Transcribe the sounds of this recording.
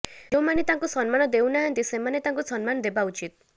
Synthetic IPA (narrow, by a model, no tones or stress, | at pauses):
d͡ʒewmanet̪ãŋkusɔnmanɔd̪ewnaɦʌnt̪isemanet̪ãŋkusɔnmanɔd̪ebaut͡ʃit̪̚